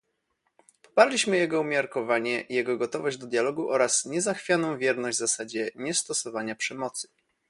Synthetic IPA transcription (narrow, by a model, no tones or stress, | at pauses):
pɔ̥paɾlʲiɕmɘjɛɡɔumʲjaɾkɔvaɲɛijɛɡɔɡɔt̪ɔvɔʑd͡ʑd̪ɔd̪jalɔɡuʔɔɾasɲɛzaxfʲjanɔ̃w̃vʲjɛɾnɔʑd͡ʑʲzasad͡ʑɛɲɛst̪ɔsɔvaɲapʂɛmɔt̪sɘ̥